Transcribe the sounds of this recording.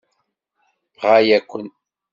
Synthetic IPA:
ʁajækʷːən

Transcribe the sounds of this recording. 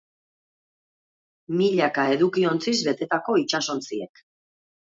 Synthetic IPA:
miʎakae̞ðukio̞nt͡sizβe̞t̪e̞t̪ako̞it͡ʃaso̞nt͡siḛk

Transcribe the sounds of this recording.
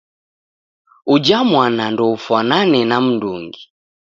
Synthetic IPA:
ud͡ʒamwanandɔufwananɛnam̩nduŋɡi

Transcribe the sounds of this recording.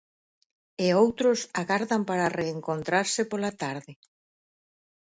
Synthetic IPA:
eowt̪ɾʊsaɣaɾðampaɾareːŋkont̪ɾaɾsɪpolat̪aɾðɪ

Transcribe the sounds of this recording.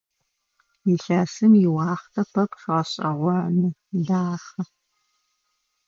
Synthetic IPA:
jiɬaːsɨmjɪwɑːχtʰɐpʰɐpʰɕɐɕʼɐʁʷɔʕnɨɮaːχɐ

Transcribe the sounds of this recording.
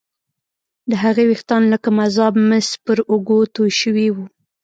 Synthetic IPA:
d̪əɦaɣewext̪ɑnləkamazɑbməspəɾʊɡot̪ojʃəwiwu

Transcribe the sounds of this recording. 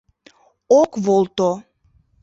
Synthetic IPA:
okβolˠt̪o

